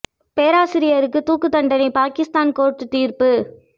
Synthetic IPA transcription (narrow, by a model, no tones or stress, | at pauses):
peːɾaːsɪɾɪjɐɾɯkːɯt̪uːkːɯt̪ːɐɳɖɐnɪpaːkɪst̪aːnkoːɾʈːɯt̪iːɾpɯ